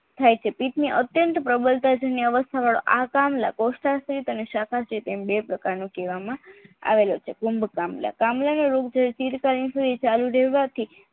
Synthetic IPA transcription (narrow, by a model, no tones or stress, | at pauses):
t̪ʰajt͡ʃʰepit̪niʔət̪jənt̪pɾəbəlt̪ad͡ʒəniəʋəst̪ʰaʋaɭo̰ʔakamla̰kosʈast̪ɾit̪əneʃakʰasit̪embepɾəkaɾnũkeʋamãa̰ʋelot͡ʃʰekumbkamla̰kamlanoɾokd͡ʒəɾt͡ʃiɾkalinsud̪ʱit͡ʃaluɾɛɦʋat̪ʰi